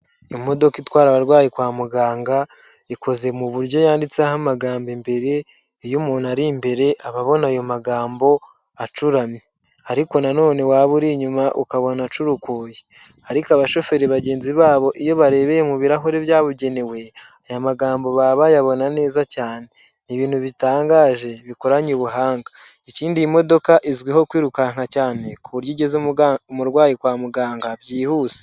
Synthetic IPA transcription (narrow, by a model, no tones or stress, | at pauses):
imo̞do̞kitwaːɾaβaɾɡwaːjikwaːmuɡaːŋɡaiko̞ze̞muβuɾɟjo̞jaːndit͡seahamaɡaːmbimbe̞ɾe̞ | ijumuːnaɾimbe̞ɾe̞ʔaβaβo̞najo̞maɡaːmbo̞ | at͡ʃuɾami | aɾiko̞nano̞ːne̞waːβuɾiɲumaʔukaβo̞nat͡ʃuɾukuːje | aɾikoaβaʃo̞fe̞ɾiβaɟe̞ːnziβaːβo̞ʔijo̞βaɾe̞ːβejemuβiɾaɦoɾeβjaːβuɟe̞newe̞ajamaɡaːmbo̞βaβajaβo̞nane̞ːzacaːne̞niβiːn̥huβitaːŋɡaːʒe̞βiko̞ɾaɲuβuɦaːŋɡaiciːndiimo̞do̞kaʔizɡwiho̞kwiːɾukaŋ̥hacaːne̞kuβuɾjiɟe̞zumuɾɡwaːjikwaːmuɡaːŋɡabjiːhuːze̥